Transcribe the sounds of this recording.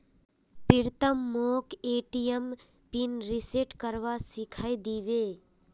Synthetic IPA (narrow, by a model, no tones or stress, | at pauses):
piɾt̪əmːoːkeːʈijəm | pinɾiseʈkəɾʋasɪkʰajd̪iːʋeː